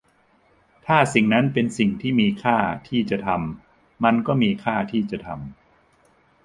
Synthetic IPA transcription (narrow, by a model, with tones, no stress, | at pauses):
t̪ʰaː˥˩si˨˩ŋna˦˥npe˧nsi˨˩ŋt̪ʰiː˥˩miː˧kʰaː˥˩t̪ʰiː˥˩t͡ɕa˨˩t̪ʰa˧mː | a˧nkɔː˥˩miː˧kʰaː˥˩t̪ʰiː˥˩t͡ɕa˨˩t̪ʰa̰˧m